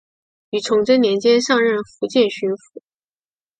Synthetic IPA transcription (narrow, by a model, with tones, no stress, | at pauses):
y˨˩t͡sʰʊ˧˥ŋʈ͡ʂə˥nnjɛ˧˥nt͡ɕjɛ˥nʂɑ˥˧ŋɻə˥˩nfu˧˥t͡ɕjɛ˥˩nɕy˥nfu̥˧˥